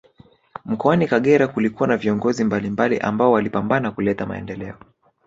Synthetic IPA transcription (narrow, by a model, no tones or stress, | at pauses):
m̩kɔanikaɠɛɾakulikuwanaviɔŋɡɔzimbalimbalḭʔa̰mbaɔwalipambanakulɛtama̰ɛ̰ndɛlɛɔ